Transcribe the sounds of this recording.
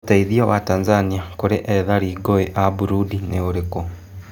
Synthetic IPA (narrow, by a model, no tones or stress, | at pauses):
taiðiawataːnzaniakuɾeʔeðaɾiːɡoeʔabuɾudineoɾeko